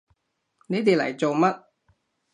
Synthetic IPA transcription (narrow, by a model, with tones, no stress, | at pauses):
ne˨˥t̪eː˨˧lɐ̰˨˩jt͡so˨wmɐ˦˥t̚